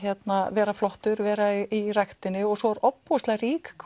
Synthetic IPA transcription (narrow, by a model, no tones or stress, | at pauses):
ɛt̪navɛːɾaflɔht̪ʏɾvɛːɾairajxt̪ɪnːɪɔɣsɔɾɔpːɔst̪laɾiːkkʰ